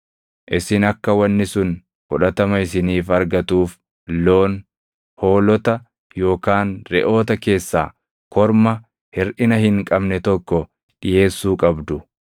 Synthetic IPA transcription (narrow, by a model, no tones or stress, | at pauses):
ʔɪsɪnɐkːɐwɐnːɪsʊn | fʊᶑɐt̪ɐmɐɪsɪniːfɐɾɡɐt̪uːf | lo̞ːn | ho̞ːlɔt̪ɐ | jo̞ːkaːnɾɛʔo̞ːt̪ɐke̞ːsːaː | kɔɾmɐ | hɪɾʔɪnɐhɪŋkʼɐbnɛt̪ɔkːɔ | ᶑɪje̞ːsːuːkʼɐbd̪ʊ